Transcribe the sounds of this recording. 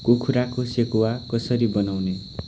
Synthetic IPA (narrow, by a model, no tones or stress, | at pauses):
kokʰuɾakosekuwakʌsʌɾibʌnawne